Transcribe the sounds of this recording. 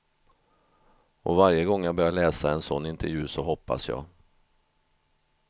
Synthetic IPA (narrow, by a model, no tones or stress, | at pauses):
ɔvaɾjəɡɔŋːjɑɡbœɾjaɭɛːsaɛnsɔnːɪnt̪ʰɛɾjʉ̟ːsɔɦɔpːa̰sjɑ̰ː